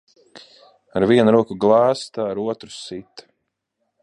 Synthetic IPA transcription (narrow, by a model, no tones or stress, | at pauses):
aɾviɛnɾuɔkuɡlˠaːst̪aaɾuɔt̪ɾu̥sit̪